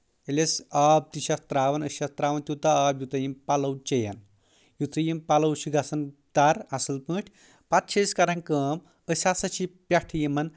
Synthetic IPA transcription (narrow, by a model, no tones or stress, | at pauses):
elʲesab̚t̪iɕast̪ɾaːʋɐnəɕast̪ɾaʋɐnt̪ʲuwt̪aabjut̪ɐjimpalɐwt͡ʃejɐ̰n | jut͡s̪ɐjimpalɐwɕiɡʱasɐnd̪̥aɾasɐlpə̃ːʈʰʲ | pat̪ɕejskaɾɐŋkəːm | əsʲasɐɕipʲjaʈʰjimɐn